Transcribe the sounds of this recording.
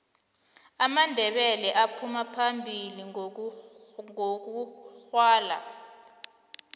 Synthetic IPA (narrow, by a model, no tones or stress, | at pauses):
amandʱɛɓɛlɛʔapʰumapʰambʱili | ŋok̬uxwaːla̰